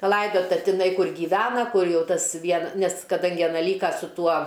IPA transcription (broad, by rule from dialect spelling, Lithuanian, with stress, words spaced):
pɐˈlˠɐɪdoːtɐ tʲɪˈnɐɪ ˈkʊr ɡʲiːˈʋʲæːnɐ ˈkʊr ˈjɛʊ ˈtɐs ˈʋʲiɛn ˈnʲɛs kɐˈdɐŋʲɡʲɪ ɐˈnɐ ˈlʲiːkɐ sʊ ˈtuɔ